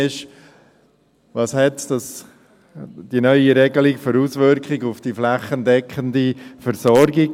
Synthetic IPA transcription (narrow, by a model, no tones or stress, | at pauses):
ɪʃ | ʋɑshɛtd̥ɑs | d̥inœʏiɾɛɡəlɪkføɾuːsʋʏɾkχɪɡʊfd̥iflaχəndɛkχəndifəɾsɔɾɡɪ